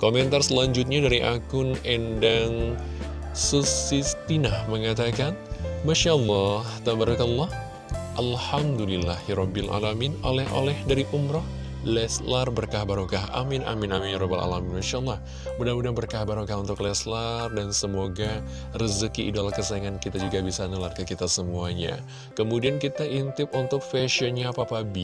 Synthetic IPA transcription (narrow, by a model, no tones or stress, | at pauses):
komɛnt̪arsəlaɲd͡ʒʊt̪̚ɲadaɾiʔakʊnɛndaŋ | susist̪inahməŋat̪akanmaʃaəlːɑht̪abaɾukalːɑh | ʔalhamdulilːahiɾɔbːilʔa̰laminolɛhʔo̰lɛhdaɾiʔumɾɔh | lɛslarbərkahbaɾukaɦa̰mɪnʔa̰mɪnaminjaɾɔba̰la̰laminmaʃalːɑh | budaudaŋbərkahbaɾukahunt̪ʊklɛslardansəmoɡa | rəzəkiʔːdalakəsaiŋankit̪ad͡ʒuɡabisanəlat̪̚kakit̪asəmuaɲa̰ | kəmudiankit̪aʔint̪ɪp̚unt̪ʊk̚fɛʃiɔnɲapapabi